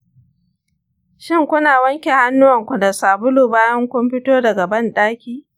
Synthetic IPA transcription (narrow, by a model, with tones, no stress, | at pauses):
ʃɪ˦˨ŋkʷʊ˦naː˨wɐ˦ŋkʲe˨ha˦nːʊ˦wɐ˨ŋkʷʊ˨dɐ˨saː˨bʊ˦luː˨baː˦jɐ˦ŋkʷɔ˦mɸɪ˦toː˦dɐ˨ɡɐ˨bɐ˦˨nɗaː˦kʲiː˦